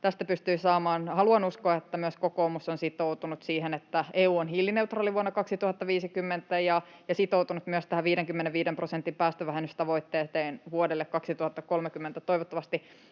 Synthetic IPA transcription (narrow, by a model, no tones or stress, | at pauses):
t̪æst̪æpyst̪yisɑːmɑːnhɑluɑnuskoɑet̪ːæmyəskokoːmusonsit̪out̪unut̪siːhenet̪ːæeːuːonhilːineut̪rɑːliʋuonːɑkɑksit̪uhɑt̪ːɑʋiːsikymːent̪æjɑjɑsit̪out̪unut̪myøst̪æhæʋʋiːɾeŋkymːeneʋiːdemprosent̪ːimpæːst̪øʋæɦenyst̪ɑʋoit̪ːeːt̪eːnʋuodelːekkɑksit̪uhɑt̪ːɑkolmekymːent̪æt̪oiʋot̪ːɑʋɑst̪i